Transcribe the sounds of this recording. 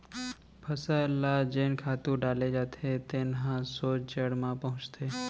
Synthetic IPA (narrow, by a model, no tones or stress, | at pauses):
pʰəsəlad͡ʒeːnkʰaːt̪ũɖaːled͡ʒat̪ʰet̪eːnɦãsot͡ʃd͡ʒəɽmãpəɦʊ̃t͡ʃt̪ʰe